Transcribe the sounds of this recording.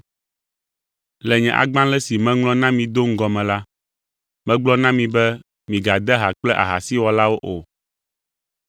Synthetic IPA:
lɛ˨ɲɛ̃˨ʔa̰˨ɡ͡bã˦lɛ˦si˨mɛ̃˦ŋlɔ̃˦nã˦mĩ˨d̪o˦ŋ̩˦ɡɔ˨mɛ̃˨la˦ | mɛ̃˦ɡ͡blɔ˦nã˦mĩ˨bɛ˦ | mĩ˨ɡa˨d̪ɛ˦ɦa˨k͡plɛ˦ʔa̰˨ɦa˨si˦wɔ˨la˦wo˦ʔo˨

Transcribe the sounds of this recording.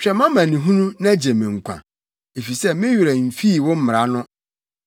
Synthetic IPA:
t͡ɕᶣɛ˨mã˦mã˨nĩ˨ɦũ˦nũ˦nã˦d͡ʑe˨mɪ̃˨ŋ̩˨kʷʰã̰˨ | e˨fi˨sɛ˦mɪ̃˦ɥu˨ɾɛ˨m̩˨fi˦˨wɔ̃˦m̩˦m˨ɾa˨˦nʊ̃˦

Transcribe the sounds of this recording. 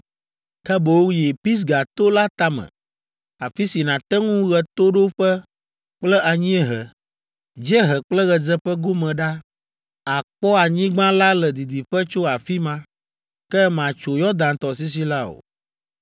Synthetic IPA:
kɛ˦bo˨wjɛ˨pi˦s̬ɡa˨t̪o˦la˦t̪a˦mɛ̰̃˨ | a˨fi˦si˨nã˨t̪ɛ˦ŋũ˦ɣɛ˨t̪o˦ɖo˦ɸɛ˦ | k͡plɛ˦ʔa˨ɲĩ˦ɛ˦ɦɛ˨ | d͡ʒɛ˦ɦɛ˨k͡plɛ˦ɣɛ˨d͡zɛ˦ɸɛ˦ɡo˦mɛ̃˨ɖa˦ | a˨k͡pɔ˦a˨ɲĩ˦ɡ͡bã˦la˦lɛ˨d̪i˨d̪i˨ɸɛ˦t͡ʃo˦a˨fi˦mã˦ | kɛ˦mã˨t͡ʃo˨jɔ˦d̪ã˨t̪ɔ˨s̬i˦s̬i˦la˦o̰˨

